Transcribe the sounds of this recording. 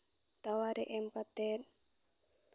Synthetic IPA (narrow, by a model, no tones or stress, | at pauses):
t̪awaɾɛʔɛmpat̪ɛl